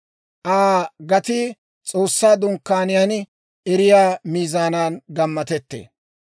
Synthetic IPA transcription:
ʔaːɡɐt̪ɪ | t͡sʼo̞ːsːaːd̪ʊŋkːaːnɪjan | ʔɛɾɪjaːmiːzaːnaːnɡɐmːɐt̪ɛt̪ːḛː

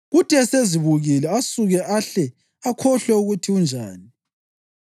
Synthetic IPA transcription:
ɣutʼɛseziβuɣilɛasuɣɛʔaɬɛ | akʰɔɬɛuɣutʰiund͡ʒʱaːni

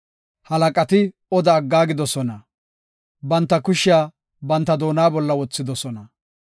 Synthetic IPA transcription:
hɐlɐkʼɐt̪ɪ | ɔd̪ɐːɡːaːɡɪd̪ɔsɔnɐ | bɐnt̪ːɐkʊʃɪaː | bɐnt̪ːɐd̪o̞ːnaːbɔlːɐwɔt͡sːɪd̪ɔsɔnɐ

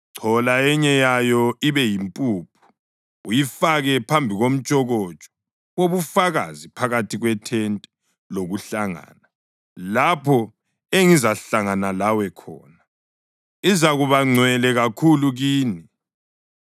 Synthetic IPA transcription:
ǀʰɔlaɛɲɛjajɔiβɛjimpʼupʰu̥ | ujifaɣɛpʰambʱiɣom̩t͡ʃʼɔɣɔt͡ʃʼɔ̥ | oβufaɣazipʰaɣatʰiɣwɛtʰɛntʼɛ | loɣuɬaŋa̰ːna | lapʰɔ | eŋizaɬaŋanalawɛkʰɔ̰ːna | izaɣuβaŋ͡ǀʱwɛlɛɣakʰuluɣiːni

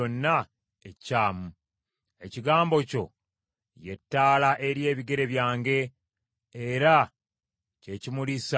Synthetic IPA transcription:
onːa | ecːaːmu | e̞ciɡaːmbo̞co̞ | je̞tːaːlaʔe̞ɾje̞ːβiɡe̞ɾe̞βjaːŋɡe̞ː | ɾa | ce̞cimulis

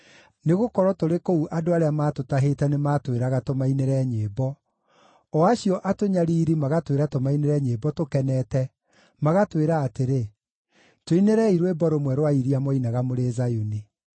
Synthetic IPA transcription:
neɣokɔɾɔtoɾekouʔadoaɾeamaːtotaɦetɛnemaːtweɾaɣatomaineɾɛɲeːbɔ | ɔaɕijɔʔatoɲaɾiːɾimaɣatweɾatomaineɾɛɲeːbɔtokɛnɛtɛ | maɣatweɾaːteɾe | toineɾɛiɾwebɔɾomwɛɾwaiɾiamɔinaɣamoɾezajuni

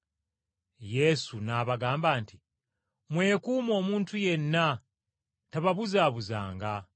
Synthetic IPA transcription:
je̞sunaːβaɡaːmbaːnti | mwe̞ːkuːmo̞ːmuːntuje̞nːa | taβaβuzaːβuza̰ːŋɡa

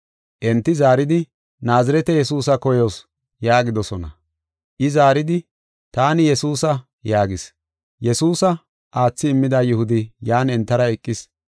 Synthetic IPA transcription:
ʔɛnt̪ːɪzaːɾɪd̪ɪ | naːzɐɾɛt̪ɛjɛsuːsɐkɔjoːs | jaːɡɪd̪ɔsɔnɐ̰ | ʔɪzaːɾɪd̪ɪ | t̪aːnɪjɛsuːsɐ | jaːɡɪs | jɛsuːsɐ | ʔaːt͡sːɪːmːɪd̪ɐjʊhʊd̪ɪjaːnɛnt̪ːɐɾɐɛkʼːɪs

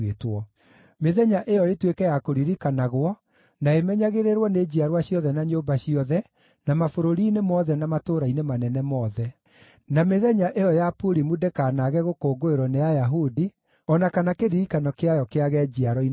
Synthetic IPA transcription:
etwɔ | meðɛɲaʔejɔetwekɛjakoɾiɾikanaɣwɔ | naemɛɲaɣeɾeɾwɔned͡ʑiaɾwaɕiɔðɛnaɲoːbaɕiɔðɛ | namafoɾoɾiːnemɔðɛnamatoːɾainemanɛnɛmɔːðɛ | nameðɛɲaʔejɔjapuɾimudekaːnaɣɛɣokoːɡoeɾwɔnejajaɦudi | ɔnakanakeɾiɾikanɔkeajɔkeaɣɛd͡ʒiaɾɔi

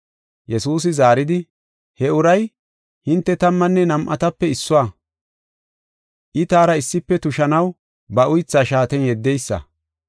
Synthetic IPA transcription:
jɛsuːs̬ɪzaːɾɪd̪ɪ | hɛʊɾɐj | hɪnt̪ːɛt̪ɐmːɐnːɛnɐmʔɐ̰t̪ɐpːɛɪsːʊwaː | ʔɪt̪aːɾɐɪsːɪpːɛt̪ʊʃɐnɐw | bɐʔʊjt͡sːaːʃaːt̪ɛnjɛd̪ːɛjsːɐ̰

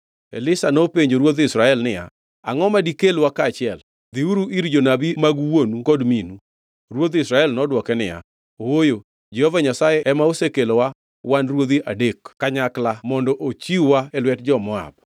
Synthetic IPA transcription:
ḛlɪsanopeɲd͡ʒoɾwot̪isɾaɛlnɪja̰ | a̰ŋɔmadikelwakaːt͡ʃɪɛl | d̪iuɾuʔiɾd͡ʒonabimaɡwonukɔdminu | ɾwot̪isɾaɛlnɔdwɔkɛnɪja̰ | owojo | d͡ʒɛhovaɲasajɛɛmaosekelowa | wanrwod̪iʔadekkaɲaklamɔndɔʔot͡ʃiuwaɛlwɛt̚d͡ʒɔmɔa̰b

